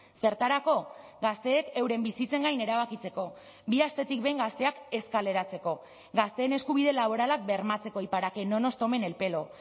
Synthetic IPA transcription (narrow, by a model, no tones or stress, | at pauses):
se̞ɾt̪aɾako̞ɡast̪e̞ːke̞wɾe̞mbisit͡se̞ŋɡajne̞ɾaβ̞akit͡se̞ko̞ | biast̪e̞t̪ikbe̞jŋɡast̪e̞ake̞skale̞ɾat͡se̞ko̞ | ɡast̪e̞ːne̞skuβ̞iðe̞laβ̞o̞ɾalak̚be̞ɾmat͡se̞ko̞ipaɾake̞no̞no̞st̪o̞me̞ne̞lpe̞lo̞